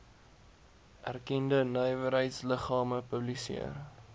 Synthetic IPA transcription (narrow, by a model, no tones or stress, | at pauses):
ʔærkɛndənœjvəɾɦəjtsləχɑːməpəblisḭər